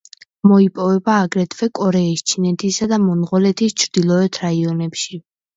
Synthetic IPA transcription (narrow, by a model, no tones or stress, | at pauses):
mɔipʼɔvɛbaːɡɾɛt̪ʰvɛkʼɔɾɛist͡ʃʰinɛt̪ʰisad̪amɔnʁɔlɛt̪ʰist͡ʃʰɾd̪̥ilˠɔɛt̪ʰɾaiɔnɛpʃi